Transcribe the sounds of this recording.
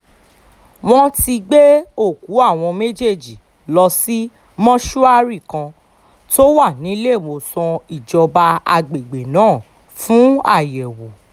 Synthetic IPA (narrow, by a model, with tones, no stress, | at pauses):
w̃ɔ̃˧ti˧ɡ͡be˦o˦˨ku˨˦a˦˨w̃ɔ̃˧me˦d͡ʒe˦˨d͡ʒi˨ | lɔ˧si˦ | mɔ̃˦ʃu˦a˦ɾi˦˨kã˧ | to˦wa˦˨nĩ˨˦le˦˨mo˧˨sɔ̃˧i˦˨d͡ʒɔ˧ba˧a˧ɡ͡be˨ɡ͡be˨nãː˨˦˨ | fũ˨˦a̰˦˨jɛ˨wo˨